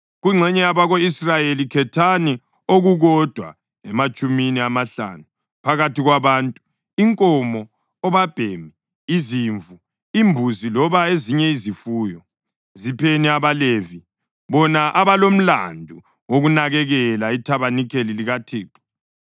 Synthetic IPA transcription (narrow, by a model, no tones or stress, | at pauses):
ɣuŋ͡ǀʱɛɲɛaβaɣoisrajelikʰɛtʰani | oɣuɣɔd̥ʱwa̰ | ɛmat͡ʃʼuminiamaɬa̰nu | pʰaɣatiɣwaβaːntʼu̥ | iŋkʼɔmɔː | βab̥ʱeːmiː | ziɱvu | imbʱuzilɔβaeziɲɛizifuːjɔ | zipʰeniaβalevi | βɔnaʔaβalom̩la̰ndʱu | woɣunaɣɛɣɛlaitʰaβanikʰeliliɣatʰeːǃɔ̥